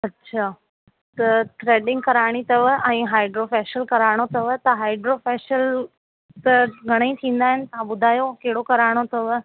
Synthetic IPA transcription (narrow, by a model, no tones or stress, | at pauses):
ɐtːɕʰaː | t̪ɐt̪ʰɾeːɖɪ̃ŋɡ̚kɐɾaːɽ̃it̪ɐʋəʔɛ̃ːɦaːɪɖɾoːfɛːʃəlkɐɾaːɽ̃ot̪ɐʋət̪ɐɦaːɪɖɾofɛːʃəl | t̪ɐɡʱɐɽ̃ẽĩt̪ʰĩːnd̪aːɦɪnɪt̪ɐãɓʊd̪ʱaːjokɐɦɪɽokɐɾaːɽ̃ot̪ɐʋə